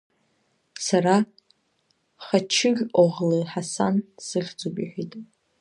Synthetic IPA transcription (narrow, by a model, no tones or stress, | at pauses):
saɾa | χat͡ʃʰɪɡʲoʁleħasansɨχʲd͡zubʼiħʷᶣitʼ